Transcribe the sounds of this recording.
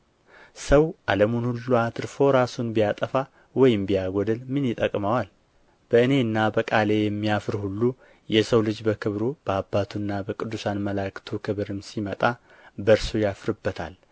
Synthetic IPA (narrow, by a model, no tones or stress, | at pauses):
səwʔaləmunhulːuat̪ʰɨɾfo̞ɾasunbijat̪ʼəfa | wɔjɪmbijaɡʷɔd̪ɨlmɨnjɪt̪ʼəkʼmawal | b̥əɨne̞ɨnːabəkʼale̞jɛmːijafɨɾhulːu | jɛsəwlɨd͡ʒbəkʰɨβɾub̥əabːat̪ʰunːabəkʼɨd̪ːusanməlakɨ̥t̪ʰukʰɨβɾɨmsimət̪ʼa | bəɾsujafɾɨbːət̪ʰa̰l